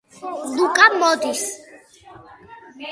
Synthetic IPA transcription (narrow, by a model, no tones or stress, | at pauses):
lukʼamɔd̪is